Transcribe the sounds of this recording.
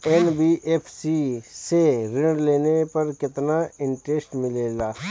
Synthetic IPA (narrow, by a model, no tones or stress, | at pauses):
eːnbiːʔeːpʰsiːseɾɪɳɖleːnepɐɾkɪt̪naɪɳʈɾeːsʈmɪleːlaː